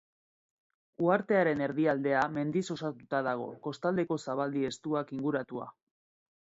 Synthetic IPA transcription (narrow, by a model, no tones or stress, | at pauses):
uaɾt̪e̞aɾe̞ne̞ɾðiald̪e̞ame̞nd̪iso̞sat̪ut̪aðaɣ̞o̞̰ko̞st̪ald̪e̞ko̞saβald̪ie̞st̪uakiŋɡuɾat̪ua̰